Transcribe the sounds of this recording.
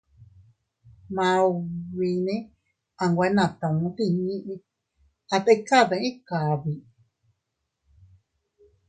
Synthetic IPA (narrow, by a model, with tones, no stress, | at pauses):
mã˧βi˧nẽ˦ | a˧ŋɡʷa˧˦nã˧˨t̪ã˨ũ˧˦t̪i˧ɲĩ˦ʔĩ˧ | a˧t̪e˦˧˦ka˦˨ðã˧˦ĩ˦ka˨βi˨